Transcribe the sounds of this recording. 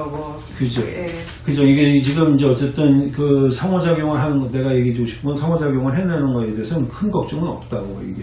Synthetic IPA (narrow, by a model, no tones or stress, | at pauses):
kɯd͡ʑo | kɯd͡ʑoiɡe̞t͡ɕiɡɯmind͡ʑe̞ʌt͡ɕ͈e̞t͈ɯnkɯsʰaŋwʌd͡ʑaɡjoŋɯɭɦanɯnɡʌne̞ɡajeɡed͡ʑoɡoɕʰi̥p̚k͈unnsʰaŋwʌd͡ʑaɡjoŋɯɭɦenːanɯnɡʌe̞deɦesʰʌɯnkʰɯnɡʌk̚t͡ɕ͈ʌŋɯnʌ̰p̚t͈aɡo̰ḭɡe